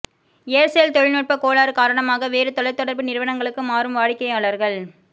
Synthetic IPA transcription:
eːɾsɐjɐlt̪ɔɻɪnoːʈ̚pɐkoːɭaːɾɯkaːɾɐɳɐmaːɣɐʋeːɾɯt̪ɔɽɐɪt̪ːɔɽɐɾbɯnɪɾɯʋɐɳɐŋɡɐɭɯkːɯmaːrɯmʋaːɻɪkːɐɪjaːɭɐɾɣɐɭ

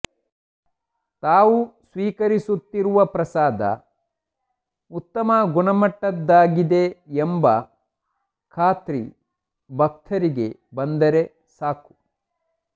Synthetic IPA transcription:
t̪aːʋusʋiːkɐɾisut̪ːiɾuʋɐpɾɐsaːd̪ɐ̰ | ut̪ːɐmɐɡunɐmɐʈːɐd̪ːaːɡid̪eembɐ | kʰaːt̪ɾḭ | bʱɐk̚t̪ʰɐɾiɡe̞bɐnd̪ɐɾe̞ | saːku̥

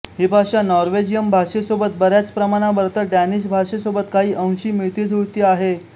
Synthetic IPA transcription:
ɦiːbʱaɕanɔɾʋed͡ʑijəmbʱaɕesobət̪̚bəɾjat͡spɾəmaɽ̃abəɾt̪əɾɖæniɕbʱaɕesobət̪kaɦiːʔə̃w̃ɕiːmiɭt̪iːd͡zuɭt̪iːaɦe

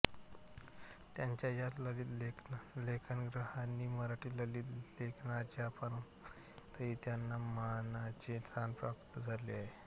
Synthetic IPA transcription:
t̪jaɲt͡ɕjajaləlit̪leklekʰənəɡɾəhanːiːməɾaʈiːləliːt̪lekʰnat͡ɕjapəɳ | t̪əɦiːt̪janːamanat͡ɕet̪ʰanpɾakt̪əd͡zʱalḛaɦe

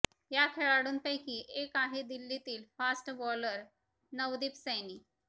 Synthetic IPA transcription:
jakʰeɭaɽuːnpəjkiːʔekaɦed̪ilːit̪iːlfasʈbɔləɾ | nəʋd̪iːpsəjniː

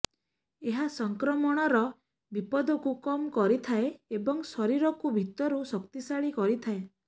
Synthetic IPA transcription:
eɦasɔŋkɾɔmɔɽ̃ɔɾɔ | bipɔd̪ʱɔkukɔmkɔɾit̪ʰaeebɔŋsɔɾiɾɔkubʱit̪ɔɾusɔkt̪isaɭikɔɾit̪ʰae

